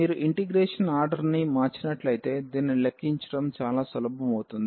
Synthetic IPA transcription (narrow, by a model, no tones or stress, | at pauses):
iːɾuʔiɳʈiɡɾeːʂɐnaːɾɖɐɾnimaːt͡ʃinɐʈlɐjt̪e̞ːd̪iːnilekːiɲt͡ʃɐ̥ʈɐmt͡ʃaːlaːsɐlɐbɐmɐwut̪und̪ii